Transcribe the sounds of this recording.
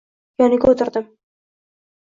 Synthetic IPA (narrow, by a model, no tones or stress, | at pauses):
jɒnɪɡʲaot̪ʰɪɾd̪ɪm